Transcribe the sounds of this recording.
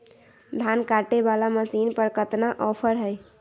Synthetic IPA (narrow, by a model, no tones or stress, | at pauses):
d̪ʱankaʈebalaməsiːnpəɾkət̪naʔɔpʰəɾɦəj